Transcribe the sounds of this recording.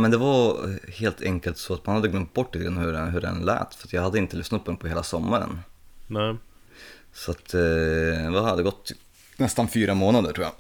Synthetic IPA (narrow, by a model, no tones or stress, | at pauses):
mɛnd̪ɛvaheːlt̪ʰɛŋkəlt̪sɔat̪manhad̪ːəɡlœmt̪̚bɔʈ̪ːɪt̪əɡɾanːhʉɾɦɵɾɛ̰nlɛ̰ːt̪fœɾat̪jahad̪ːəɪnt̪əlʏsnat̪̚pʰɔd̪ɛnpʰɔheːlasɔmːaɾə̰nnɛ | sɔat̪ | vahad̪ːəɡɔt̪ː | nɛst̪anfyːɾamoːnad̪əʈʰuːja̰